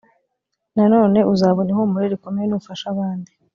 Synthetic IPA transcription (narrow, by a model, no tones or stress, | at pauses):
nano̞ːne̞ʔuzaːβoniɦomuɾeɾiko̞mejenufaʃaβaːndi